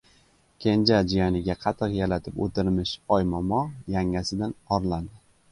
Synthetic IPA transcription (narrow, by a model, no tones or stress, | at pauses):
kʲʰend͡ʒad͡ʒijɒnɪɡʲaqʰɑt̪ʰɨqjalat̪ʰɪpo̰t̪ʰɪɾmɪʃɒjmɒmɒjaŋasɪd̪anɒɾland̪ɪ